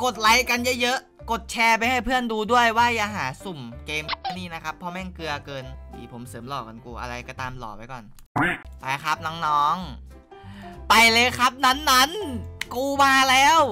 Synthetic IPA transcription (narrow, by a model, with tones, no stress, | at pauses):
ko˨˩t̪̚la˨˦˥jka˧njɤ˦˥jɤ˦˥ʔ | ko˨˩t̪̚t͡ɕʰɛː˧pa˧jha˥˩jpʰɯ˥˩ənduː˧du˥˩əjwaː˥˩jaː˨˧˩ɦaː˩˦su˨˩mkeː˧mʰ˧niː˥˩na˦˥kʰa˦˥pʰːɔː˧˩mɛː˥˩ŋkɯ˧ɐkɤː˧ndḭː˨˩pʰo˩˦msɤː˩˦mlɔː˨˩ka˧nkuː˧ʔa̰˧ɾa˧jkɔ˧˩t̪aː˧mlɔ̰ː˨˩pa˧jkɔ̰ː˨˩n | a˧˥˩ʔa˨˧˩kʰa˦˥p̚nɔː˦˥ŋnɔː˦˥ŋ | pa˧jlɤː˧jkʰa˦˥p̚na˦˥nːa˦˥nkuː˧waː˧˩lɛː˦˥w